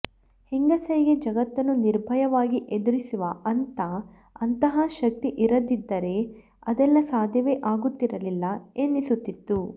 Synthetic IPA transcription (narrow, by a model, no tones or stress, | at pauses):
hiŋɡɐsɐjiɡed͡ʒɐɡɐt̪ːɐnːuniɾbʱɐjɐʋaːɡiʔed̪uɾisuʋɐʔɐnt̪ɐ | ɐnt̪ɐɦɐʃɐk̚t̪iʔiɾɐd̪id̪ːɐɾe̞ | ɐd̪ɛlːɐsaːd̪ʱjɐʋeʔaːɡut̪ːiɾɐlilːɐenːisut̪ːit̪ːu